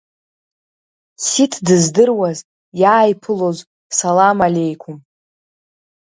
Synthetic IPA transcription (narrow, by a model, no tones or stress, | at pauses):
sitʰdɨzdɨrwaz | jaːjpʰɨloz | salamalʲe̞jkʷʰʊm